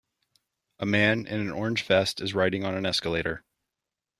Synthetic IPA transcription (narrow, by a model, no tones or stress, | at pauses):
ʔəmæ̃nɪ̰̃nɨ̃nɔɹɨ̃n̥ʒ̥fɛstɨzɹaɪɾɪ̃ŋə̃nɨ̃nɛskəleɪɾə˞